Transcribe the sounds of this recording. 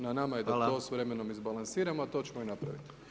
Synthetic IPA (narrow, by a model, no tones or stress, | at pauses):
nanamajed̪at̪o̞ːsʋɾe̞meno̞mizbalˠansiːɾamoat̪o̞t͡ʃemoinapɾa̰ʋit̪